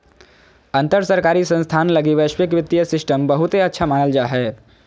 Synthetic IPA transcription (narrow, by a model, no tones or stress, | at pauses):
ɐ̃nt̪əɾsəɾkaːɾisə̃nst̪ʰaːnlɐɡiʋəʃwɪkʋɪt̪ːijəsɪsʈəmbɐɦʊt̪ɦeɐtːʃʰamaːnəld͡ʒaːɦɛː